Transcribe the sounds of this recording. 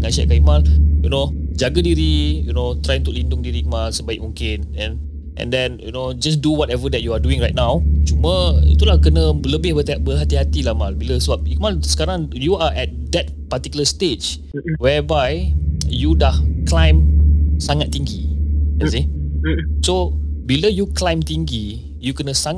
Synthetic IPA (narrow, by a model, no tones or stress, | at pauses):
inaʃɛ̰kaimaljunod͡ʒaɡadiɾijunot̪ɾajunt̪ʊk̚lindʊŋdiɾimalsəbaik̚mũŋkɪnɛ̃n | ʔɛ̰̃ndɛ̃njṵnod͡ʒas̬duwɔtɛvədɛt̚juaduɪ̃ŋɾajt̚nawt͡ʃuməḭt̪ulahkənə̃bələbɪhbət̪bəɦat̪iɦat̪ilahmalbiləsəbap̚ikmalsə̥kaɾãŋjuaʔɛt̚d̪ɛt̚pat̪ikjuləstet͡ʃ | wɛbajjudahklãj̃msaŋat̪ːiŋɡiɛsi | sobiləjuklãjmt̪iŋɡi | jukənəsaŋ